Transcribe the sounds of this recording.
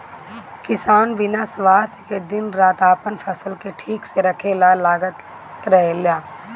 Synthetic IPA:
kɪsaːnʋɪnasʋaːst̪ʰked̪ɪnɾaːt̪aːpənpʰɐsəlkeʈʰiːkseɾɐkʰelalaːɡət̪ | ɾɛɦeljaː

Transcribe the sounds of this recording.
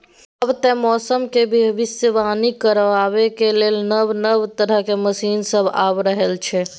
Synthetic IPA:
əbt̪ɛ̃mɔsəmkebʱiəʋisəʋanikəɾʋaβekelelnəbnəbt̪əɾəɦkeməsinsəbʱa̰bɾəɦelt͡ʃʰɛ

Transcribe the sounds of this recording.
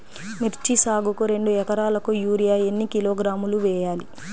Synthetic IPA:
miɾt͡ʃisaːɡukuɾe̞ɳɖuɛkɐɾaːlɐkujuːɾijaːjenːikiloːɡɾaːmuluʋɛːjaːlḭ

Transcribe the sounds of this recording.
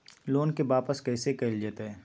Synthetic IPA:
loːnkeʋaːpəskɛːsekɐɪld͡ʒaːt̪aɦɛː

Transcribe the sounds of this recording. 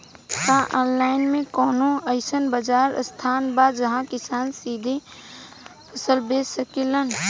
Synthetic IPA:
t̪ãʔɔːnlaːɪnmẽkɔːnõəɪsənbəd͡ʒaːɾst̪ʰaːnbaːd̪d͡ʒɐɦãkɪsaːnsiːd̪ʱe | pʰəsəlbeːsəkelən

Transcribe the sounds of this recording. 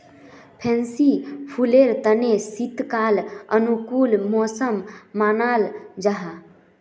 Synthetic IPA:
pʰẽnsipʰuleɾt̪ənesit̪kalənukulmosəmːanald͡ʒaɦa

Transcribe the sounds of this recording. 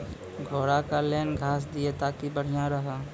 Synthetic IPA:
ɡʱoːɽakaleːnɡʱaːs̬d̪ɪet̪aːkibəɽ̤ɪjaɾɐɦaː

